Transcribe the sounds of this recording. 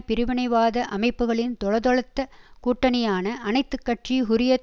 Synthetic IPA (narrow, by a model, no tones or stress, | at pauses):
pɪɾɪʋɪɳɐɪʋaːðɐʔɐmɐɪpːɯɣɐɭɪnt̪ɔɻɐðɔɻɐt̪ːɐkuːʈːɐnɐjaːnɐʔɐnɐɪt̪ːɯkːɐʈriɦʊɾɪjɐ